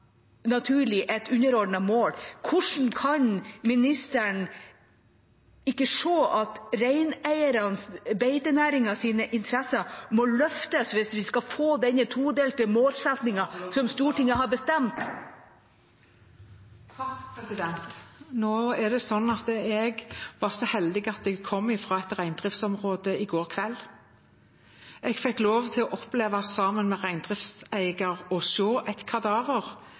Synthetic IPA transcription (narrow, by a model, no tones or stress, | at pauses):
nɑt̪ʰʉːɭɪʔɛt̪ʉnːəɾɔɖɳəmoːlkʰʊʂɳ̩kʰɑɲmɪnɪst̪əɳ | ɪkːəʂoːʔɑt̪ɾæɪnæɪəɾɑnsbeɪt̪ənæːɾɪŋɑsiːnəʔɪnt̪ʰɾɛsəmɔlœft̪əsʋɪsʋɪskɑfoːd̪ɛnːət̪ʰuːd̪eːlt̪ɪlmoːlsɛt̪nɪŋɑsɔmst̪uːʈɪŋːəɦɑɾbəst̪ɛmt̪ | noːɛɖ̪ɛsɔnːɑt̪əɛɡʋɑsɔhɛld̪ɪɡɑt̪̚d̪ɛɡ̚kʰɔmːɪfʁɑːɛt̪ʁæɪnd̪ʁɪft̪sɔmʁoːd̪əɪɡoːʁkʰʋɛlː | ɛɡfɛkːloːʋt̪ʰɪlɔʔɔpleːʋɑsɑmənmɛʁæɪnd̪ʁɪft̪sæɪɡɑɾɔʃoːʔæɪt̪kʰɑd̪ɑːʋəʁ